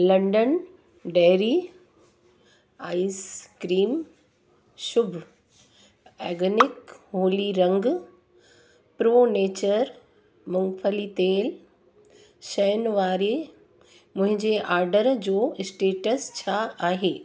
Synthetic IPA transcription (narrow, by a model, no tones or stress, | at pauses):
lɐ̃ɳɖən | ɖɛːɾi | aːiskɾiːm | ʃʊbʱ | ɛːɡənɪkɦoːliɾɐ̃ŋɡ | pɾoːneːt͡ɕəɾ | mʊ̃ŋɡfʰəlit̪eːl | ʃɐjnʋaːɾe | mʊ̃ɦɪ̃ɲd͡ʑeʔaːɾɖəɾd͡ʑoːɪsʈeːʈəst͡ɕʰaaːɦeː